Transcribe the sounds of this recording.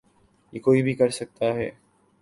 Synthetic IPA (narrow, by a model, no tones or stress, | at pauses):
jekoːibʱikɐɾsɐk̚t̪aɦɛː